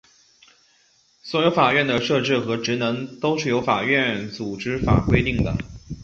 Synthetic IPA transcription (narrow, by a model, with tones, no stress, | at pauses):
swɔ˧˥jo˧˥ʊfa˨˩ɥɛ˥˩nd̪ə˩ʂɤ˥˧ʈ͡ʂɻ̩˥˩xɤ˧˥ʈ͡ʂɻ̩˧˥nɤ˧˥ŋt̪o˥ʊʂɻ̩˥˩jo˧˥ʊfa̰˨˩ɥɛ˥˩nt͡su˨˩ʈ͡ʂɻ̩˥fa̰˨˩kwe˥ɪt̪i˥˩ŋd̪ə̰˩